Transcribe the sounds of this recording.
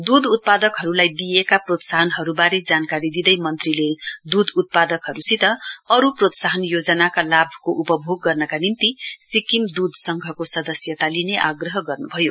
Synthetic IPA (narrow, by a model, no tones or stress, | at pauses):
d̪ud̪ʱut̪̚pad̪ʌkɦʌɾulajd̪ijekaprot̪saɦʌnɦʌɾubaɾed͡zankaɾid̪id̪ʌjmʌnt̪riled̪ud̪ut̪̚pad̪ʌkɦʌɾusit̪ʌʌɾuprot̪saɦʌnjod͡zʌnakalabʱkoʔupʌbʱoɡːʌrnʌkanint̪isikimd̪ud̪ʱsʌŋɡʱʌkosʌd̪ʌsjʌt̪alineʔaɡrʌɦʌɡʌrnubʱʌjo